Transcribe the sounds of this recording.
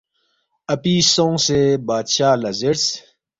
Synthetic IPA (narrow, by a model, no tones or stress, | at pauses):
ɐpiːsõsebaːd̪ɕaːlɐzeɾs